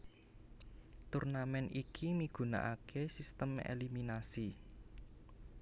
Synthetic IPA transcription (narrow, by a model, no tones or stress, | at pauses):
t̪urnamɛnikʰimiɡ̥ṳna̰ʔakʰesist̪əmḛliminasi